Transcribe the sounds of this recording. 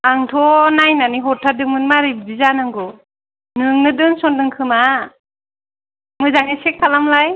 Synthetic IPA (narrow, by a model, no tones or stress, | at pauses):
aŋtʰɔnajnaniɦɔtʰːadɯŋmɯnmaɾibbizanɯŋɡɔ | nɯŋnɯdɯŋsɔndɯŋkʰɯma | mɯzaŋisek̚pʰalamlaj